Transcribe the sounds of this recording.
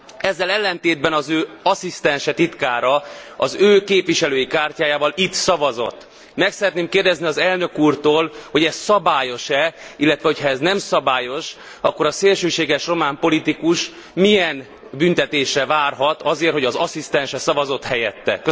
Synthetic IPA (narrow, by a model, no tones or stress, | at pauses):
ɛzːɛlɛlːɛnt̪eːd̪bɛnɒzøːɒsist̪ɛnʃɛt̪it̪kaːɾɒɒzøːkeːpʋiʃɛløːjikaːrcaːjaːvɒlit̪sɒvɒzo̞̰t̪ː | mɛksɛɾɛt̪neːmkeːrd̪ɛzniɒzɛlnø̞kuːrt̪oːlho̞ɟɛssɒbaːjo̞ʃɛilːɛt̪vʋɛho̞chɒɛznɛmsɒbaːjo̞ʃ | ɒkːo̞ɾɒseːlʃøːʃeːɡɛʃro̞maːmpo̞lit̪ikuʃ | mijɛn | bynt̪ɛt̪eːʃrɛvaːrɦɒt̪ɒzeːrho̞ɟɒzɒsist̪ɛnʃɛsɒvɒzo̞t̪hɛjɛt̪ːɛ̰kø